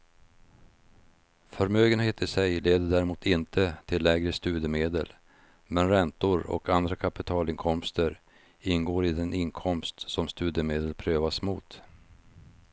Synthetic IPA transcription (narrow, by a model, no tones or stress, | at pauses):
fœɾmøːɡənheːt̪ɪsɛjleːd̪əɖæːɾɛmuːt̪ɪnt̪ʰət̪ʰɪlːɛɡɾəst̪ʉ̟ːd̪əmeːd̪ə̰l | mɛnɾɛnt̪ʊɾɔ̰kʰand̪ɾakʰapɪt̪ʰɑːlɪŋkʰɔmst̪əɾ | ɪnːɡoːɾɪd̪ɛnɪŋkʰɔmst̪sɔmst̪ʉ̟ːd̪jəmeːd̪əlpʰɾøːvasmuːt̪